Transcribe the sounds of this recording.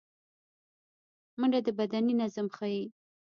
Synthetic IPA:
məɳɡad̪əbad̪aninazamxaji

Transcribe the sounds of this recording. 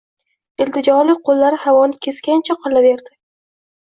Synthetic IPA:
ɪlt̪ɪd͡ʒɒɾlɪqʰolːaɾɪhavɒnɪkʲʰe̞skʲant͡ʃʰaqʰɨlave̞ɾd̪ɪ

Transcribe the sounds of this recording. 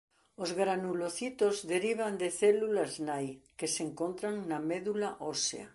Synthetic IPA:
ozɣɾanuloθit̪ozðeɾiβ̞and̪eθɛlulaznajkeseŋkont̪ɾaŋnameðulaʔosḛa̰

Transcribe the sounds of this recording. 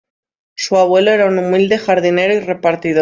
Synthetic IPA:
suaβ̞we̞loeɾaunumild̪e̞xaɾðine̞ɾoire̞paɾt̪iðo

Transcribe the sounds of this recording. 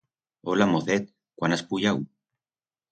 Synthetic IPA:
olamoθet̪̚ | kwanaspuʎaw

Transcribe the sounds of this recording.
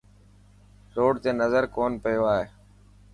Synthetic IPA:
loːɖt̪eːnəzəɾkoːnpəjoːaːɦeː

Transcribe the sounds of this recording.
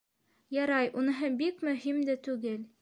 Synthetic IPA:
jɑɾɑjʔunɤ̆ɦɤbikmɵ̆ɦimd̪æt̪ʉɡɘl

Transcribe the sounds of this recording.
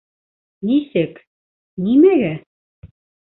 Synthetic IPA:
nisɘ̆k | nimɘɣæ

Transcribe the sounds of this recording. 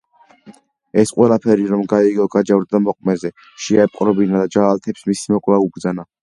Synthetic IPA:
ɛsqʼwɛlˠapʰɛɾiɾɔmɡaiɡɔɡad͡ʒavɾd̪d̪amɔqʼmɛzɛ | ʃiaɛpʼqʼɾɔbinad̪ad͡ʒaːlt̪ʰɛpsmisimɔkʼlaubɾd̪zana

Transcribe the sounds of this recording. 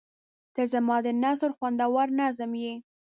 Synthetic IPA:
kəzamɑd̪ənasəɾxwand̪awɑɾnazəmje

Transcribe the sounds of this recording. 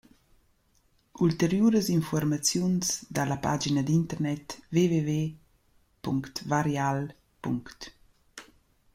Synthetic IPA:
ult̪eɾjuɾəzinfɔɾmat͡sjunsd̪alapad͡ʒinəd̪int̪ərnɛt̪veveve | puŋkt̪vaɾjal | pṵŋkt̪

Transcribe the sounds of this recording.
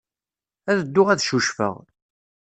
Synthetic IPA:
æðəd̪ːʊʁæðʃuʃfə̰ʁ

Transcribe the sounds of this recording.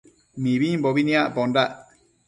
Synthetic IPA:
mibiɲbɔbinijaʔbɔnɖaʔ

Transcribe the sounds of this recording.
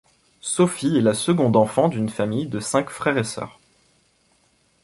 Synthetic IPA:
sɔfiɛlasəɡɔ̃d̪ɑ̃fɑ̃d̪ynfamijd̪əsɛ̃kfχɛʁesœ̰ːʁ

